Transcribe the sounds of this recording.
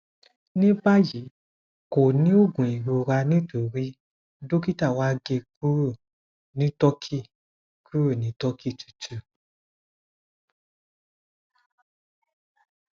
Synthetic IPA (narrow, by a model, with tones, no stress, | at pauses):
nĩ˦ba˦ji˨˦ | ko˨nĩ˦o˦˨ɡũ˨i˨ɾo˨ɾa˧nĩ˦to˨ɾi˦ | do˦ki˦ta˦˨wa˦ɡe˧ku˦ɾo˦˨ | nĩ˦tɔ˦kʰi˦˨ | kʰu˦ɾo˦˨nĩ˨˦tɔ˦kʰi˦˨tu̥˨tʰu˨